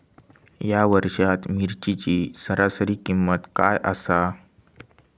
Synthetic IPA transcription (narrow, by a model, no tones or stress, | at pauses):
jaʋəɾʂat̪miɾt͡ɕit͡ɕiːsəɾasəɾiːkimːət̪kajʔə̰sa